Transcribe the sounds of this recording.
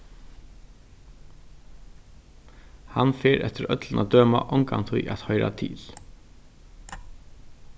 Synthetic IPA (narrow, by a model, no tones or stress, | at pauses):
hɑnfeːɾʔɛ̰t̪əɾœt̪lən̩ɑd̪øːmaʔɔŋɡɑŋt̪ʰiːʔɑt̪hœʏɾa̰t̪ʰɪ̰ːl